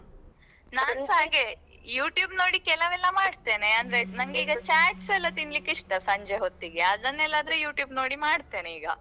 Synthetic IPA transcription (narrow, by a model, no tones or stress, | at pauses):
naːnsɦaːɡe | juːʈjuːbno̞ːɽikɛlɐʋɛlːɐmaːɽt̪e̞ːneɐnd̪ɐɾenɐŋɡeiːɡɐt͡ʃaːʈsɛlːɐt̪inlikiʂʈɐsɐɲd͡ʒeɦot̪ːiɡeɐd̪ɐnelaːd̪ɐɾejuːʈjuːbno̞ːɽimaːɽt̪e̞ːneiːɡɐ